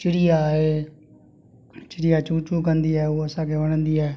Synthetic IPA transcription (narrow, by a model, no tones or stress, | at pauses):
t͡ʃɪɽɪjaːeː | t͡ʃɪɽɪjaːt͡ʃuːt͡ʃũːkənd̪iːɛːoəsãːkʰeːʋəɽənd̪iːɛː